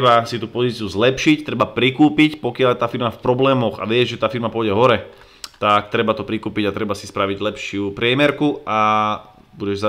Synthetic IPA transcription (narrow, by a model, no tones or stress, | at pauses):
basit̪upɔziːt͡siuzlɛpʃict̪ɾɛbapɾikuːpicpɔkɪalɛt̪aːfiɾmafpɾɔblɛːmɔɣa̰ʋɪɛzʒɛt̪aːfiɾmapʊɔjɟɛɦɔɾɛ | t̪akt̪ɾɛbat̪ɔpɾikuːpiɟat̪ɾɛbasispɾaʋiɟlɛpʃɪupɾɪɛmɛɾkua | buɟɛʒsa